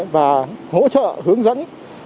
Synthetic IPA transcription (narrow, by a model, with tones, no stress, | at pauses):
vaː˨˩ho̰˧˥t͡ɕə̰ː˧˨hɨ˨˦əŋzə̰˧˥n